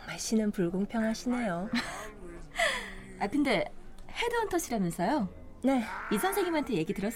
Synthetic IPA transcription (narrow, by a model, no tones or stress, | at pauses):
maɕ͈ʰinɯnpuɭɡoŋpʰjʌŋɦaɕʰinejo | akɯnde̞he̞doːntʰʌɕʰiɾanɯns͈ʰʌjo | ne̞isʰʌnsʰeɡimantʰeje̞ɡidɯɾʌs͈